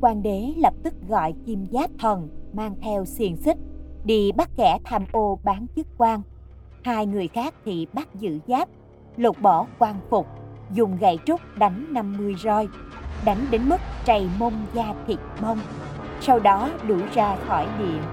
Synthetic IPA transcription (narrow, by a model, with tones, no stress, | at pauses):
kwaː˧nɗe˨˦lə˨˩p̚t̪ɨ˦˥k̚ɣɔ̰˧˨jki˧mzaː˦˥p̚t̪ʰə˨˩nmaː˧ŋt̪ʰɛ˧wsi˧əŋsi˦˥k̚ɗḭ˧˨ɓa˦˥t̚kɛ˧˩t̪ʰaː˧mʔo˧ɓaː˨˦nt͡ɕɨ˦˥t̚kwaː˧ŋ | haː˧jŋɨ˨˩əjxaː˦˥k̚t̪ʰḭ˨ɓa˦˥t̚zɨ̰˧˥zaː˦˥p̚ | lo˨˩t̚ɓɔ˧˩kwaː˧nfʊ˨˩k͡p̚zʊ˨˩ŋ͡mɣa̰˧˨jt͡ɕʊ˦˥k͡p̚ɗa˨˦jŋ̟na˧mmɨ˧əjzɔː˧jɗa˨˦jŋ̟ɗe˨˦nmɨ˦˥k̚t͡ɕa˨˩jmə˧wŋ͡mzaː˧t̪ʰi˨˩t̚mə˧wŋ͡msa˧wɗɔ˨˦ɗu˧˩zaː˧xɔ˧˩jɗḭ˧˨əm